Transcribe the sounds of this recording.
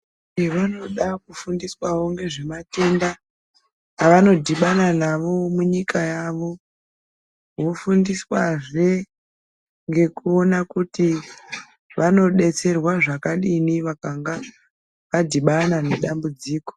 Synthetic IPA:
iʋano̞ɗakufundiswawo̞ŋɡe̞ʐe̞mate̞nda | aʋano̞dʱiɓananaʋo̞muɲikajaʋo̞ | wofundiswaʐe̞ | ŋɡe̞kuo̞nakuti | ʋano̞ɗe̞t͡se̞rwaʐakaɗiniʋakaŋɡa | ʋadʱiɓananeɗambud͡ziːko̥

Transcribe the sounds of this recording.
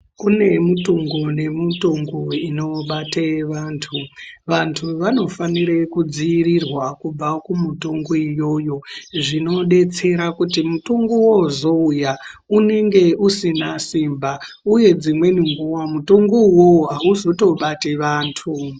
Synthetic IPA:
kune̞mutoŋɡone̞mutoŋɡoino̞ɓateʋaːntʰuʋantʰuʋano̞faniɾekud͡ziːrirwakub͡vakumutoŋɡoijo̞jo̞ʐino̞ɗe̞t͡se̞ɾakutimutoŋɡowozo̞ujaune̞ŋɡe̞ʔusinasimba | uje̞d͡zimwe̞niŋɡuwamutoŋɡowoɦauzo̞to̞ɓateʋaːntʰu

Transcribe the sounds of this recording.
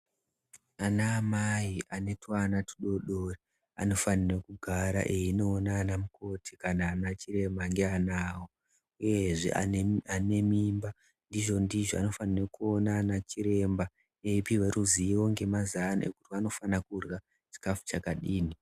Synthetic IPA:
anaːmajiʔane̞twanati̥ɗo̞ɗoːri | a̰no̞fanirekuɡʱaɾa̰ʔe̞ino̞ːnaːnamuko̞tʰikanaːnat͡ʃiɾe̞mbaŋɡe̞anaːwo̞ | uje̞ʐḛane̞mimba | ndiʐo̞ndiʐoa̰no̞fanirekuo̞naːnat͡ʃiɾe̞mba | eipiwe̞ɾʔuziiwo̞ŋɡe̞mazana̰ʔḛkutiano̞fanakurɣa | t͡ʃi̥kafu̥t͡ʃakaɗiːni

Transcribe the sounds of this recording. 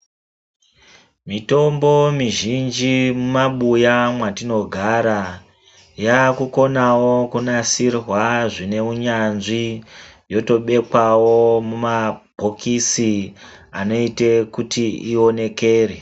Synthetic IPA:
mito̞mbo̞miʒind͡ʒimumaɓujamwatino̞ɡʱaɾa | jakuko̞nawo̞kunasirwaʐine̞uɲanʐijo̞to̞ɓe̞kwawo̞mumabʱokisiano̞itekutiio̞ne̞ke̞ːre

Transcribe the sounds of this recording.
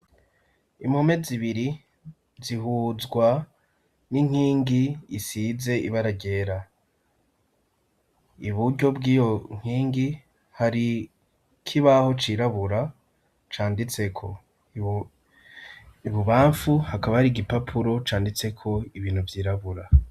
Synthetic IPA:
imome̞ziβiɾi | ziɦuzɡwa | niŋ̥hiːŋɡiːsize̞iβaɾaɟe̞ːɾa | iβuɾɟo̞bɡiːjo̞ŋ̥hiːŋɡi | haɾi | kʰiβaho̞t͡ʃiɾaβuɾa | t͡ʃaːndit͡se̞kʰo̞ | iβuβaːɱfuhakaβahaɾiɡipapʰuɾo̞t͡ʃaːndit͡se̞kʰo̞iβiːn̥huvjiːɾaβuɾa

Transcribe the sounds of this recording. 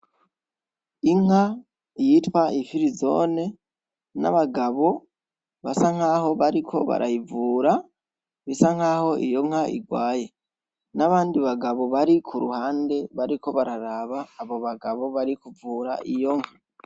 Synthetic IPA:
iŋ̥ha | jitwaifiɾizo̞̰ːne̞ | na̰βaɡaβo̞ | βasaŋ̥haːɦo̞βaɾikʰo̞̰βa̰ɾʔa̰jivuːɾa | βisaŋaːho̞ʔḭjo̞ŋ̥haʔḭɡwaːje̞ | naβaːndiβaɡaβo̞βaɾikʰuɾuhaːnde̞βaɾiko̞βaɾaɾaβaːβo̞βaɡaβo̞βaɾikuvuːɾa̰ʔijo̞ŋha

